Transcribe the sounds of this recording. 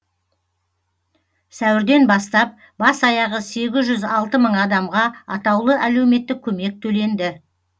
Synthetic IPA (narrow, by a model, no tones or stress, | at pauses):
sæwɪɾd̪e̞nbɑst̪ɑp̚ | bɑsɑjɑʁəse̞ɡʲɪzʒʏzɑlˠt̪əməɴɑd̪ɑmʁɑɑt̪ɑwlˠəʔæle̞wme̞t̪ːɪk̚ʲʰɵme̞k̚t̪ʰɵle̞nd̪ɪ